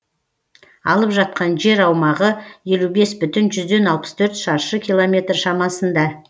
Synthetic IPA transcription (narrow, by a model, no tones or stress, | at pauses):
ɑlˠəpʒɑt̪̚qɑnʒe̞ɾɑwmɑʁəje̞lube̞sbʏt̪ɪnʒʏzd̪e̞nɑlˠpə̥st̪ʰɵɾt̪ʃɑɾʃəkʲʰijlˠo̞mʲe̞t̪rʃɑmɑsənd̪ɑ